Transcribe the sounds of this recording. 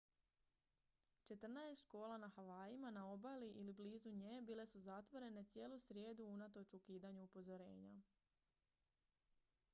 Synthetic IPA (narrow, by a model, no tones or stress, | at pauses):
t͡ʃe̞t̪r̩naest̪t͡ʃko̞ːlˠanaxaʋaːjimanao̞baliʔilibliːzuɲeːbiːle̞suzat̪ʋo̞ɾe̞ne̞t̪sʲje̞ːlusɾje̞ːd̪uunat̪o̞t͡ʃukiːd̪aɲuupo̞zo̞ɾe̞ːɲa̰